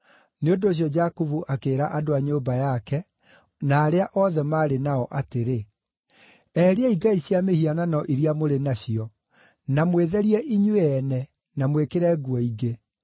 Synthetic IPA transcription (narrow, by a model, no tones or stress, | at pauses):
neondoːɕ̬jɔd͡ʑakuvuʔakeːɾaʔadoaɲobajakɛ | naːɾeaʔɔðɛmaːɾenaɔʔateɾe | ɛɾeɛiɡaiɕjamehiananɔʔiɾiamoɾenaɕiɔ | namweðɛɾiɛʔiɲweɛnɛ | namwekeɾɛːɡwɔiɡe